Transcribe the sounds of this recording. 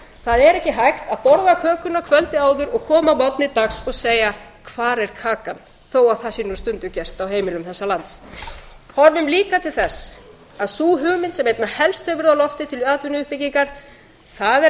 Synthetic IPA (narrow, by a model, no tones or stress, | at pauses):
θaðɛɾɛhcɪɦajxt̪aðpɔɾðakʰœːkʏnːakʰvœlt̪ɪaːwðʏɾɔɣkʰɔːmamɔt̪nɪt̪aksɔɣseːjakʰvaːɾɛɾ̥kʰaːkan | θowaðθasinust̪ʏnt̪ʏcɛr̥t̪awɦeːjmɪlʏmθɛsːalant̪s | hɔɾvʏmliːkat̪ʰɪlθɛsː | aðsuːɦʏɣmɪnsɛmejt̪nahɛlst̪hɛvʏɾawlɔft̪ɪt̪ʰɪlaːt̪vʏnʏhpɪciŋkaɾ̥ | θaðɛ